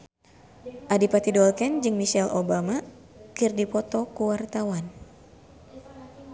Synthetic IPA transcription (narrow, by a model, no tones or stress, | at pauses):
ʔadipat̪idɔlkɛnd͡ʒɨŋmiʃɛlʔobama | kirdipɔt̪ɔkuwart̪awan